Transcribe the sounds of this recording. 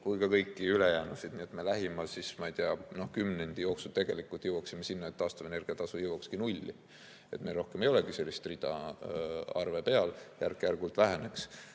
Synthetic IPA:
kujkɑkɤjkˑːiyle̞jæːnusid̪̥̚niet̪me̞læɦimɑsismɑijt̪eɑno̞hkymne̞nʲd̪̥ijo̞ːksu̥t̪e̞ɡ̥e̞likːˑult̪ˑjewɑksimːe̞sinːɑet̪ːɑːst̪ɑve̞ne̞rɡ̥iɑt̪ɑsujɤwɑkskinulʲːḭ | e̞t̪melro̞hkemejo̞le̞ɡ̥ise̞lʲːist̪rid̪̥ɑ̰ | ɑ̰rve̞pe̞ɑljærkːˑejærɡult̪ˑvæɦene̞ks

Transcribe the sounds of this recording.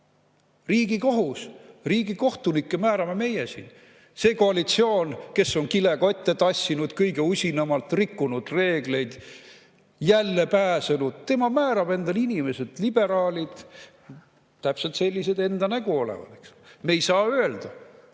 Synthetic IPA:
riːɡiko̞ɦusriːɡiko̞ht̪unikːemæːɾɑme̞me̞jesḭn | se̞ːko̞ɑlit̪sio̞ːnke̞sːo̞nkile̞ɡɑet̪ːet̪ɑsʲːinud̪̥kɤjɡe̞usʲinɑmɑlt̪rikːunud̪̥re̞ːɡ̥le̞jd̪̥ | jælːe̞pæːsenud̪̥̚t̪e̞mɑmæːɾɑb̥e̞nd̪ɑlinʲime̞se̞d̪̥lib̥e̞ɾɑːlʲid̪̥ | t̪æpse̞lt̪se̞lʲːise̞d̪e̞nd̪ɑnæɡ̥uo̞lḛvɑ̰d̪̥eksomejsɑːøeld̪̥ɑ

